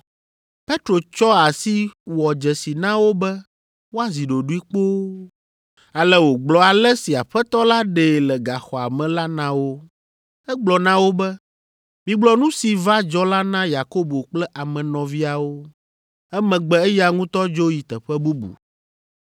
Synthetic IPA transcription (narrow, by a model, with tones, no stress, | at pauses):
pe˦t̪ɾo˨t͡ʃɔ˦a˨si˦wɔ˨d͡ʒɛ˨si˨nã˦wo˦bɛ˦ | wo˦a˦˨zi˨ɖo˨ɖu˦i˦k͡po˦ | a˨lɛ˦wo˨ɡ͡blɔ˨a˨lɛ˦si˨a˨ɸɛ˦t̪ɔ˦la˦ɖe˨lɛ˨ɡa˨xɔ˨a˨mɛ̃˨la˦nã˦wo˦ | ɛ˦ɡ͡blɔ˨nã˦wo˦bɛ˦ | mĩ˨ɡ͡blɔ˨˦nũ˦si˨va˦d͡ʒɔ˦la˦nã˦ja˨ko˦bo˨k͡plɛ˦ʔa˨mɛ̃˨nɔ̃˨vi˦a˨wo˦ | ɛ˦mɛ̃˨ɡ͡bɛ˨ɛ˦ja˦˨ŋũ˦t̪ɔ˦d͡ʒo˦ji˨t̪ɛ˨ɸɛ˦bu˦bṵ˨